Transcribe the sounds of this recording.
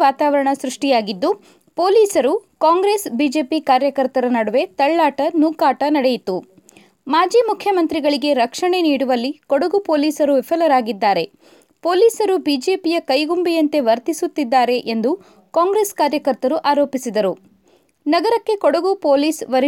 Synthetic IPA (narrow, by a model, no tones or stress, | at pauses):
aːt̪aːʋɐɾɐɳɐsɾuʂʈijaːɡid̪ːu | poːliːsɐɾukaːŋɡɾeːsbiːd͡ʒe̞ːpikaːɾjɐkɐɾt̪ɐɾɐnɐɽuʋe̞t̪ɐɭːaːʈɐnuːkaːʈɐnɐɽejit̪u | maːd͡ʒiːmukʰjɐmɐnt̪ɾiɡɐɭiɡe̞ɾɐkʂɐɳe̞niːɽuʋɐlːikɔɽuɡupoːliːsɐɾuʋepʰɐlɐɾaːɡid̪ːaːɾe̞ | poːliːsɐɾubiːd͡ʒe̞ːpijɐkɐjɡumbɛjɐnt̪e̞ʋɐɾt̪isut̪ːid̪ːaːɾe̞ʔend̪u | kaːŋɡɾe̞ːskaːɾjɐkɐɾt̪ɐɾuʔaːɾo̞ːpisid̪ɐɾu | nɐɡɐɾɐkːe̞kɔɽɐɡupoːliːsʋɐɾ